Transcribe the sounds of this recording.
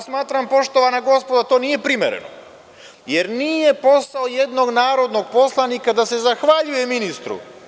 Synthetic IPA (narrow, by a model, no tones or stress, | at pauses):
smaːt̪ɾampo̞ʃt̪o̞ʋanaɡo̞spo̞d̪at̪o̞ːnije̞pɾimḛɾḛno̰ | jeɾniːje̞po̞saoje̞d̪no̞ɡnaːɾo̞d̪no̞ɡpo̞slˠanikad̪ase̞zaxʋaʎuje̞minist̪ɾṵ